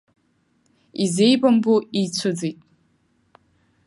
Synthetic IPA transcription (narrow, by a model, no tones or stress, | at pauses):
izejbʼambuit͡sʷʰɨd͡zijtʼ